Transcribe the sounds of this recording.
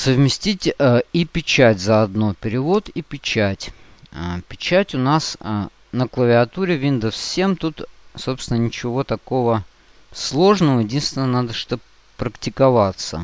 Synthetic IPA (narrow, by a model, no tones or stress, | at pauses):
səvmʲɪsʲtʲitʲəipʲɪt͡ɕætʲzəɐd̪nopʲɪɾʲɪvo̞t̪ipʲɪt͡ɕætʲ | pʲɪt͡ɕætʲʊnas | nəklˠəvʲɪɐt̪uɾʲɪvʲind̪əfsʲe̞mt̪ut̪so̞psʲt̪ʲɪnənʲɪt͡ɕɪvo̞t̪ɐkovə | slˠo̞ʐnəvəjɪdʲinst̪ʲɪnːənad̪əʂt̪o | pɾəktʲɪkɐvat̪sə̰